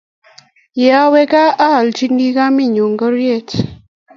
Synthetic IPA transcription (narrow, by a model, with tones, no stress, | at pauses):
ja˦wɛ˦ka˦a˦˨lt͡ʃi˦ndi˦ka˦mi˦˨ɲo˨ŋɡɔ˦ɾje˦˨t